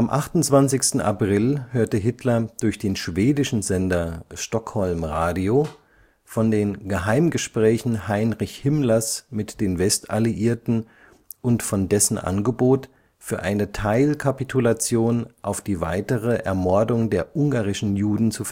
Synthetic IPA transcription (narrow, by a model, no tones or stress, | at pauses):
ʔamʔaχtʊnt͡sv̥ant͡sɪçstn̩ʔa̰pʁ̥ɪlhøːɐtəɦɪtʰlɐd̥ʊɐçd̥eːnʃv̥eːdɪʃn̩zɛndɐʃtɔkhɔlmʁaːdioː | fɔndeːnɡəɦaɪmɡəʃpʁ̥ɛːçn̩haɪnʁɪçhɪmlɐsmɪtd̥eːnvɛsta̰liʔiːɐtn̩ | ʔʊntfɔndɛsn̩ʔa̰nɡəboːt | fyːɐʔa̰ɪnətʰaɪlkʰapitʰulat͡sjoːnʔaʊfd̥iːva̰ɪtəʁəʔɛ̰ɐmɔɐdʊŋdeːɐʔʊŋɡaːʁɪʃn̩juːdn̩t͡suf